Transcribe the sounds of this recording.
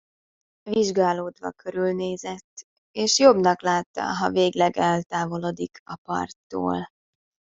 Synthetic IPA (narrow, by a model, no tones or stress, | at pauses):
viʒɡaːloːd̪ʋɒ̰kʰøɾylneːzɛt̪ː | eːʃjo̞bnɒklaːt̪ːɒ̰ɦɒveːɡlɛɡɛlt̪aːvo̞lod̪ikʰɒpɒ̰rt̪ːo̰ːl